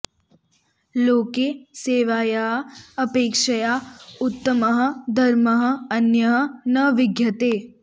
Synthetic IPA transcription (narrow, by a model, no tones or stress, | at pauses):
loːkeːseːʋaːjaːɦɐɐpeːkʃɐjaːʊt̪ːɐmɐɦɐ̆d̪ʱɐɾmɐɦɐ̆ɐnjɐɦɐ̆nɐʋɪɡjɐt̪eː